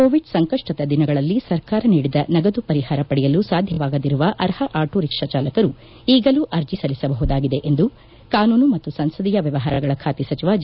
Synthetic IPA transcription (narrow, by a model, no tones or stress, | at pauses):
koːʋiɖsɐŋkɐʂʈɐt̪ɐd̪inɐɡɐɭɐlːisɐɾkaːɾɐniːɽid̪ɐnɐɡɐd̪upɐɾiɦaːɾɐpɐɽɛjɐlusaːd̪ʱjɐʋaːɡɐd̪iɾuʋɐʔɐɾhɐʔaːʈʰoɾikʂɐt͡ʃaːlɐkɐɾu | iːɡɐluʔɐɾd͡ʒisɐlisɐbɐɦud̪aːɡid̪e̞ʔend̪u | kaːnuːnumɐt̪ːusɐnsɐd̪ijɐʋjɐʋɐɦaːɾɐɡɐɭɐkʰaːt̪isɐt͡ʃiʋaːd͡ʒ